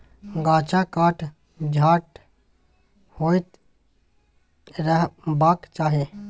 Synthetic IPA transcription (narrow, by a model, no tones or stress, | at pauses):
ɡaːt͡ʃakaːʈ | d͡ʒʱaːʈ | hoːɪt̪ | ɾəɦbaːkt͡ʃaːɦie